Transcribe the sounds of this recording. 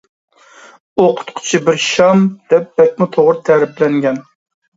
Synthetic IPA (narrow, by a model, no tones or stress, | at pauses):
oqʰʊ̥t̪qʰʊ̥t͡ʃʰibɪɾʃɑmd̪̥ɛp̚bɛk̚ʲmʊt̪ʰoʁɾt̪ʰɛɾɪplɛŋɡʲɛn